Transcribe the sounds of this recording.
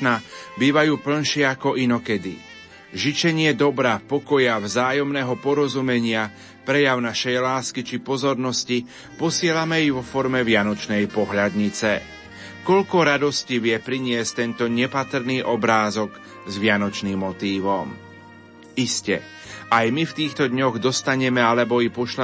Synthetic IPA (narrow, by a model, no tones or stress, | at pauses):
nabiːʋajuːpl̩nʃɪɛakɔʔinɔkɛd̪ḭ | ʒit͡ʃɛɲɪɛd̪ɔbɾapɔkɔjavzaːjɔmnɛːɦɔpɔɾɔzumɛɲɪa | pɾɛjaʊnaʃɛjlaːskit͡ʃipɔzɔɾnɔsci | pɔsɪɛlamɛjiʋɔfɔɾmɛʋɪanɔt͡ʃnɛjpɔɦʎad̪ɲit͡sɛ | kɔʎkɔɾad̪ɔsciʋɪɛpɾiɲɪɛsct̪ɛnt̪ɔɲɛpat̪ɾ̩niːʔɔbɾaːzɔɡ | zʋɪanɔt͡ʃniːmːɔt̪iːʋɔm | iscɛ̰ | ʔajmift̪iːxt̪ɔd̪ɲɔɣd̪ɔst̪aɲɛmɛalɛbɔipɔʃla